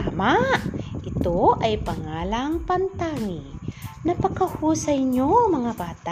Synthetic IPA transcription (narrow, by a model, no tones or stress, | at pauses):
amaʔʔɪt̪oʔɐjpɐŋaːlɐŋpɐnt̪aŋɪnɐpɐkɐhuːsɐjɲomɐŋabaːt̪a